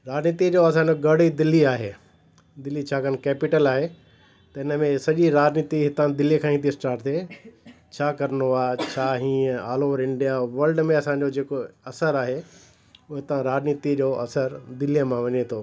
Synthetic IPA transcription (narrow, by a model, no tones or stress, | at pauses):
ɾaːd͡ʑniːt̪id͡ʑoɐs̬ãɲd͡ʑoɡɐɽid̪ɪlːiaːɦeː | d̪ɪlːit͡ɕʰaːkɐnkɛːpɪʈəlaːɦe | t̪ɐɪnə̆mẽsɐʄiɾaːd͡ʑniːt̪iɦɪt̪ãd̪ɪlikʰãːɦĩːt̪ʰisʈaːɾʈt̪e | t͡ɕʰaːkɐɾnoaːt͡ɕʰaːɦĩːə̃aːloɔɾɪ̃ɳɖijaʋɐɾlɖmẽɐsãɲ̆d͡ʑod͡ʑeːkoɐsəɾaːɦe | ʊɦet̪ɐãɾaːd͡ʑniːt̪id͡ʑoːɐsəɾd̪ɪlijəmãʋɐɲet̪ʰoː